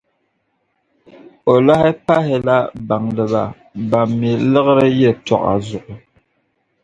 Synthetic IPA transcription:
o˨la˦hɛ˦pa˦ɦɪ˨la˦ba˨ŋlɨ˨βa̰˨ | ba˨mːi˨lɨ˦ɣɨ˦ɾɨ˦jɛ˦tɔ̰˨ʔa̰˨zʊ˨ʔʊ˨

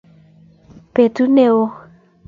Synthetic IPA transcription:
pe˨t̪u˦ne˦˨o˦

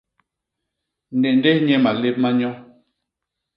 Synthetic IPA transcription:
n̩˨dɛ˨n˦dɛ˦hɲɛ˦ma˨le˦p̚ma˦ɲɔ˦

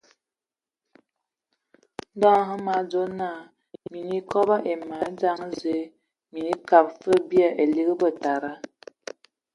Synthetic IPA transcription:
n̩˦dɔ˦ɦə˦ma˨˦d͡zo˦naː˦˨ | mi˨ni˦kɔ˦ba˦ʔe˨ma˨˦d͡za˦ŋ˦ze˦ | mi˨ni˦ka˨p̚fə˦bja˦˨ʔe˨li˦ɣə˦bə˦˨ta˨ɾa˦

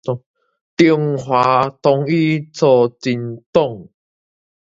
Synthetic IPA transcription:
t̪ju˨˩ŋɦwa˨˦t̪ɔ˨˧ŋi˦t͡sɔ˧t͡si˧˦nt̪ɔ˥˨ŋ

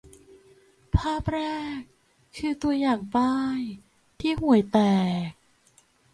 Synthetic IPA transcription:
pʰaː˥˩p̚ɾɛː˥˩k̚ʰː | ɯː˧t̪u˧əjaː˨˩ŋp̪aː˥˩j | t̪ʰiː˥˩ɦu˨˩˦əjt̪ɛː˨˩k̚

